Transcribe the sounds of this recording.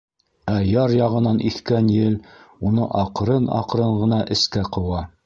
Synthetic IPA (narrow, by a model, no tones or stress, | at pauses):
æjɑɾjɑʁɤ̆nɑnʔiθkænjɘlunɤʔɑqɾɤnɑ̰qɾɤɴʁɤ̆nɑʔɘ̆skæqɤ̆wɑ